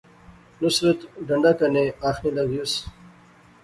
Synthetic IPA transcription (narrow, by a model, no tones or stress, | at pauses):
nusɾet̪ɖɐɳɖakɐneaːxnilaɡjus